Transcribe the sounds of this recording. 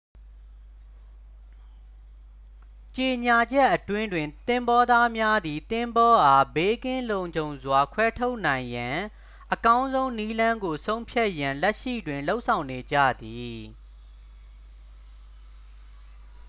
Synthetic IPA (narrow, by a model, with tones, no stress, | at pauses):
t͡ɕe˨ɲa˨d͡ʑɛ˦ʔːətwɪ̃˦ndwɪ̃˨nt̪ɪ̃˦mbɔ˦d̪a˦mja˦d̪i˨t̪ɪ̃˦mbɔ˦ʔa˦be˦kɪ̃˦nlõ˨ʊ̃ɲd͡ʑõ˨ʊ̃zwa˨kʰwɛ˦tʰo˦ʊʔn̥ã˨ɪ̃jã˨ | ʔəkã˦ʊ̃nzõ˦ʊ̃ni˦lã˦ŋɡo˨sõ˦ʊ̃mpʰja˦ʔjã˨lɛ˦ʔʃḭ˦˨dwɪ̃˨nlo˦ʊʔsʰã˨ʊ̃ne˨d͡ʑä̰˦˨d̪i˨